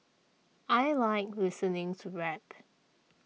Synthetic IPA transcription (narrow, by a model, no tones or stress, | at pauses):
ʔajlaɪk̚lɪsənɪ̃ŋtʰuɹɛt